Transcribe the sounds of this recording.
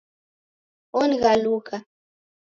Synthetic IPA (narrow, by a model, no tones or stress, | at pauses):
onɣaluka